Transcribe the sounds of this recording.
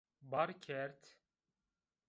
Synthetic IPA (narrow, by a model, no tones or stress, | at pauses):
baɾkʲʰɛɾt̪